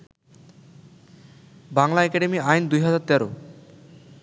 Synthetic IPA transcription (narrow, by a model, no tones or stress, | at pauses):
baŋlaɛkɛɖemiajnd̪ujɦad͡ʑaɾt̪ɛɾo